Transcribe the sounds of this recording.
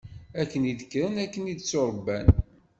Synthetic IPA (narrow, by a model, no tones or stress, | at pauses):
ækːəniðəkːɾənækːənid̪t͡sːoɾˤbːæn